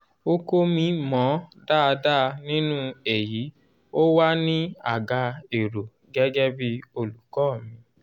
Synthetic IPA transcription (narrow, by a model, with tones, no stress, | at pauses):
o˦ko˦mĩ˧˦mɔ̃˨˦da˦˨˧da˦˧nĩ˦nũ˦e˨ji˨˦ | o˦wa˦nĩ˦a˦˨ɡa˨˧e˨ɾo˨ | ɡɛ˦ɡɛ˦bi˦o˧lu˨kɔː˦˨mĩ˧